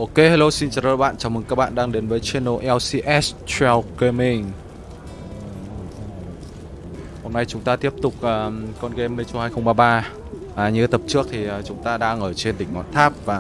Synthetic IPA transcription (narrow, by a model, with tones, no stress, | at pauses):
ʔo˧˩ke˧˩ha˧lo˧si˧nt͡ɕːɗə̰ː˧˨˩jɓa̰ː˧˨nt͡ɕaː˨˦wmɨ˨˩ŋkaː˦˥k̚ɓa̰ː˧˨nɗaː˧ŋɗe˨˦nvəː˨˦jt͡ɕe˧nːo˧˨˩ʔɛ˧wsi˧ʔɛ˦˥st͡ɕɛ˧wke˧mi˧ŋ | ho˧mna˧jt͡ɕʊ˨˦ŋ͡mt̪aː˧t̪i˦˥əp̚t̪ʊ˨˩k͡p̚ʔəː˨˩kɔ˧nɣe˧me˧t͡ɕhaː˧jxə˧wŋ͡mɓaː˧ɓaː˧ | ʔaː˨˩ɲɨ̰˧˦t̪ə˨˩p̚t͡ɕɨ˦˥ək̚t̪ʰi˨˩ʔəː˨˩t͡ɕʊ˨˦ŋ͡mt̪aː˧ɗaː˧ŋʔəː˧˩t͡ɕe˧nt̪ï˨˩ŋ̟nɔ̰˧˨nt̪ʰaː˦˥p̚vaː˨˩